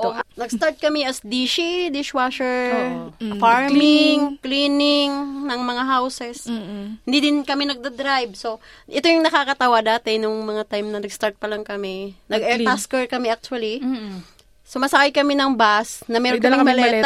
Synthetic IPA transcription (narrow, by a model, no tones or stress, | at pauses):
ʔonɐɡst̪aɹt̪̚kɐmɛʔɐsd̪iʃid̪ɪʃwaʃɛɹ | faɹmɪŋklinɪŋnɐŋmɐŋaɦawsɛshɪnd̪id̪ɪnkɐmɛnɐɡ̚d̪ɐd̪ɾajb̚soʔɛt̪ojʊŋnɐkaːkɐt̪ɐwad̪aːt̪ɛnʊŋmɐŋat̪ajmnɐnɐɡst̪aɹt̪̚pɐlɐŋkɐmɛnɐɡɛɹt̪askɛɹkɐmɛak̚t͡ʃʊɐli | somɐsɐkajkɐmɛnɐŋbasnɐmɛːɾok̪ːɐɐmɐlɛɛ